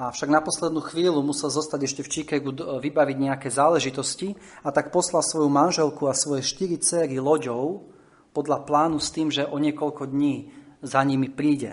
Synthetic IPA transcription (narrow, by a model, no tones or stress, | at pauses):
afʃaɡnapɔslɛd̪nuːxʋiːlumusɛlzɔst̪aɟɛʃcɛft͡ʃikɛɡuʋibaʋiɟɲɛakɛːzaːlɛʒit̪ɔsci | at̪ak̚pɔslasʋɔjumanʒɛlkuasʋɔjɛʃt̪iɾit͡sɛːɾilɔɟɔʊ | pɔd̪laplaːnust̪iːmʒɛʔɔɲɪɛkɔʎkɔd̪ɲiːzaɲimipɾiːɟɛ̰